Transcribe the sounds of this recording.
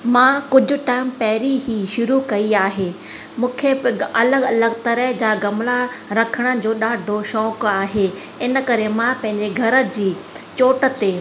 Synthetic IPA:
mãkʊd͡ʑʱʊ̆ʈaːɪmpɛɦɾiɦiːʃʊɾukɐiaːɦeː | mũːkʰeɐləɡɐləɡt̪ɐɾəɦd͡ʑaːɡɐmlaɾɐkʰəɽ̃ə̆d͡ʑoːɗaːɖʱoʃɔːkaːɦeː | ɪnə̆kɐɾemãpɐ̃ɦɪ̃ɲd͡ʑeɡʱɐɾə̆d͡ʑiː | t͡ɕoːʈə̆t̪eː

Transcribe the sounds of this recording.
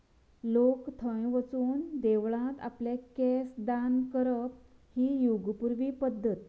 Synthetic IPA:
lokt̪ʰə̃jʋət͡suːnd̪eʋɭãt̪a̰pljekesd̪ankəɾəphiːjuɡpuɾʋiːpəd̪ʱːət̪̚

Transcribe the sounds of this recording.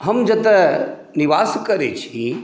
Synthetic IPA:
ɦɐmd͡ʒɐt̪ɛ | niʋaːskəɾet͡ʃʰi

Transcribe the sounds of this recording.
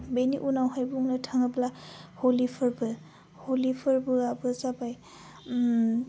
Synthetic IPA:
beniʔunawɦajbuŋlatʰaŋablaholipʰɯɹbɯ | holipʰɯɹbɯabɯzabaj

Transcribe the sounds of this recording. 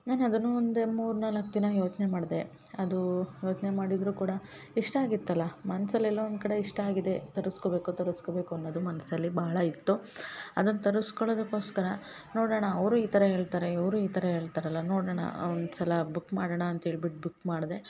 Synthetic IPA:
naːnɐd̪ɐnːuond̪emuːɾnaːlɐkd̪inɐjo̞ːt͡ʃnemaːɽd̪e̞ | ɐd̪ujo̞ːt͡ʃnemaːɽid̪ɾuːkuːɽɐ | iʂʈɐaːɡit̪ːɐlːɐmɐnɐsɐlːɛlːɐɔnd̪̚kɐɽe̞iʂʈɐaːɡid̪e̞t̪ɐɾusko̞be̞ːkut̪ɐɾusko̞be̞ːkuɐnːoːd̪umɐnɐsɐlːibaɦɐɭɐit̪ːuɐd̪ɐnːɐt̪ɐɾuskoɭoːd̪ukːo̞ːskɐɾɐ | noːɽɐːɳɐːʋɾuːiːt̪ɐɾɐɦe̞ːɭt̪aːɾeiʋɾuːiːt̪ɐɾɐɦe̞ːɭt̪aːɾɐlːɐnoːɽɐːɳɐ̰ond̪usɐlɐbukːmaːɽɐɳɐːnt̪ɐɦeːɭbiʈ̚bukmaːɽd̪e̞

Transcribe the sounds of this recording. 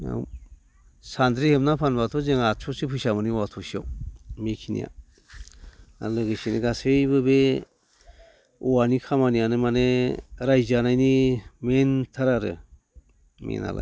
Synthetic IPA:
a̰ | sand̪ɾihemnapʰanbatʰɔzeŋat͡ʃʰosɯpʰujsamɯniwatʰɔsiɔwmekʰinḭja̰ | a̰lɯɡɯsineɡasɯjbɯbe | uwanikʰamanijanɯmaneɾajzanajnimentʰaɾaɾɯ̰ | mḛna̰la̰j

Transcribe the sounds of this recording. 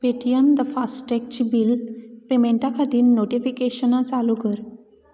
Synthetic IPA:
peʈiəmd̪əfasʈʈek̚t͡ɕibilpemeɳʈakʰad̪iːnːoʈifikeɕənat͡salukəɾ

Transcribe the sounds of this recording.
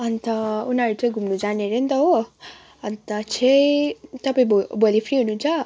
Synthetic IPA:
ʌnt̪ʌunaɾut͡sʌɡʱumnud͡zaneɾent̪ʌɦo | ʌnt̪ʌt͡sʰet̪ʌpaĩbbolipʰriɦununt͡sʰʌ

